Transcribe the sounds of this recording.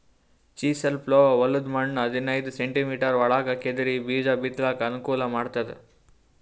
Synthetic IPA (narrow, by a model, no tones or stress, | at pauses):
t͡ʃiːsɐlploːʋɐlːud̪mɐɳnɐd̪ʱinɐjd̪useɳʈimiːʈɐɾʋɐɭaːkɐked̪iɾibiːd͡ʒɐbit̪laːkɐnukuːlɐmaːɖt̪ɐd̪ḛ